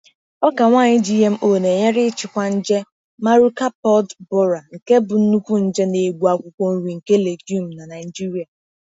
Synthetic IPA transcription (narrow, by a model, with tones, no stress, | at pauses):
ɔ˦ka˨ŋʷaː˦˨ɲɪ˦d͡ʒi˦ɦe˦m̩˦ʔo˨ne˨ɲe˦ɾɪ˦t͡ʃɪ˨kʷa˦n̩˦d͡ʒe˦ | ma˦ɾu˦ka˦pɔ˦dbɔ˦ɾa˨ŋ̩˨ke˦bʊ˨n̩˦nu˦kʷu˦n̩˦d͡ʒe˦ne˨ɡ͡bu˨a˨kʷʊ˨kʷo˦n̩˦ɾi˨ŋ̩˨ke˦le˨ɡu˦m̩˨na˨na˨ɪ˨d͡ʒi˦ɾi˨˦a˨